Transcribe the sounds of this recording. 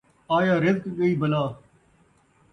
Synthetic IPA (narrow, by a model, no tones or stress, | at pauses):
aːjaːɾɪzkɠəiːbəlaː